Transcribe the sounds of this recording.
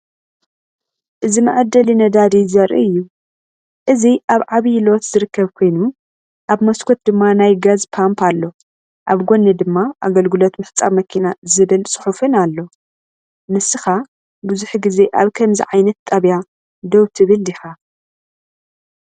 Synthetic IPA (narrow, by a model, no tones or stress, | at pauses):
ʔɨzimɨʕɨd̪ɐlinɐd̪ad̪izɐɾʔḭɨjːu | ʔɨziʔaβʕaβijlot̪z̥ɨɾɨkːɐβkʰo̞jnu | ʔaβmɐskʰot̪̚d̪ɨmːanajɡazpʰampʰalːo̞ | ʔaβɡo̞nːed̪ɨmːaʔaɡɐlɡɨlot̪mɨħt͡sʼamɐkʰinazɨβɨlsʼɨ̥ħufɨnalːo̞ | mɨsːɨxa | buzuħɡize̞ʔaβkʰɐmzḭʕajnɐt̪ʼːɐβja | d̪owt̪ʰɨβɨld̪ixa